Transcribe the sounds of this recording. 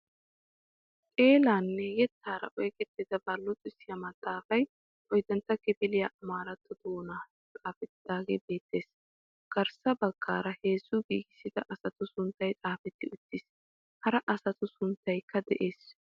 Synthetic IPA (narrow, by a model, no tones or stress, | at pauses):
kʼe̞ːlaːnːɛjɛt̪ːaːɾɐ̰ʔɔjkʼɛt̪ːɪd̪ɐbɐlːʊt͡sʼɪsɪjɐmɐt̪ʼːaːfɐj | ʔɔjd̪ɐnt̪ːɐkɪbɪlɪjaʔɐmaːɾɐt̪ːɔd̪oːna | t͡sʼaːfɛt̪ːɪd̪aːɡebe̞ːt̪ːe̞ːs | ɡ̥ɐɾsɐbɐɡ̥ːa̰ːɾɐhe̞ːzːʊɡḭːɡɪsːɪd̪ɐʔɐsɐt̪ʊsʊnt̪ːɐjt͡sʼaːfɛt̪ːɪʊt̪ːɪs | hɐɾɐʔɐsɐt̪ʊsʊnt̪ːɐjkːɐd̪ɛʔe̞ːs